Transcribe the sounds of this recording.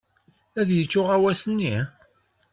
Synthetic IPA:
æðjət͡sːʊʁæwæsənːi

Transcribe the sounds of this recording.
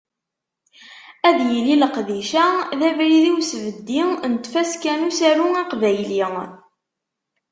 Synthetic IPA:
æðjəliləqðiʃæðævɾiðiwsəvəd̪ːint̪fæskænusæɾuiqvæjli

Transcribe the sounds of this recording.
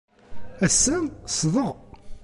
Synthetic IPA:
æsːæsðˤəʁ

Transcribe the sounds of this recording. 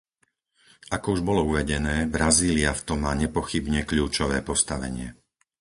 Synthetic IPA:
ʔakɔuʒbɔlɔuʋɛɟɛnɛːbɾaziːliaft̪ɔmːaːɲɛpɔxibɲɛkʎuːt͡ʃɔʋɛːpɔst̪aʋɛ̰ɲɪɛ

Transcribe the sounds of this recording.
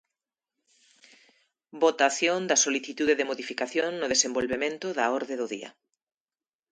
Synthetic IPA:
bot̪aθjond̪ɐsoliθit̪uðeðemoðifikaθjoŋnʊð̞esembolβemẽnt̪ʊðaoɾðeðʊðḭɐ̰

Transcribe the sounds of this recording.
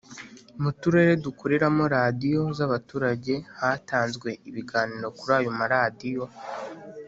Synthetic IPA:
mutuɾe̞ɾe̞dukuɾeɾamo̞ɾadijo̞zaβatuːɾaɟe̞hataːnzɡwe̞ʔiβiɡaːniɾo̞kuɾaːjomaɾadijo̞

